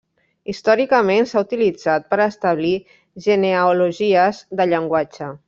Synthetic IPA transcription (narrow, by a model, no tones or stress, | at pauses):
ist̪ɔɾikəmensaut̪ilid͡zat̪̚pəɾəst̪əβli | ʒəneəuluʒiəzðəʎəŋɡwad͡ʒə